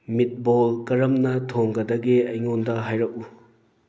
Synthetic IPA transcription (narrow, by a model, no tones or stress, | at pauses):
mit̚bolkɐɾɐmnɐtʰoŋɡɐdɐɡeɐjŋondɐɦajɾɐk̚u